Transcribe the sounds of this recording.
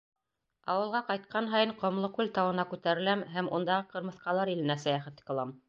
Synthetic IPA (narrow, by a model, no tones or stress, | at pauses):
ɑ̰wɤ̆lˠʁɑqɑjt̪̚qɑnɦɑjɤɴqŏmlˠɤkʉlt̪ɑwɤ̆nɑkʉt̪æɾɘ̆læmɦæmund̪ɑʁɤqɤ̆ɾmɤ̆θqɑlˠɑɾilɘ̆næsæjæχæt̪ɘ̥k̆lˠɑm